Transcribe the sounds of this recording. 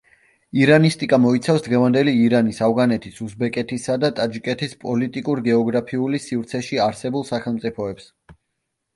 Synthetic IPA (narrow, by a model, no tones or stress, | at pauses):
iɾanist̪ʼikʼamɔit̪sʰafsd̪ʁɛvand̪ɛliːɾanisavʁanɛt̪ʰisusbɛkʼɛt̪ʰisad̪at̪ʼad͡ʒikʼɛt̪ʰispʼɔlit̪ʼikʼuɾɡɛɔɡɾapʰiulisivɾt̪sʰɛʃiaɾsɛbulˠsaχɛlˠmt̪sʼipʰɔɛps